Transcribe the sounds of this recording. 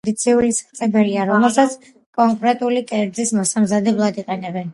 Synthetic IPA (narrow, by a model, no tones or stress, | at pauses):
d̪it̪sʰiulisḁt̪sʼɛbɛliaɾɔmɛlˠsat̪sʰ | kʼɔŋkʼɾɛt̪ʼulikʼɛɾd̪zismɔsamzad̪ɛblˠad̪iqʼɛnɛbɛn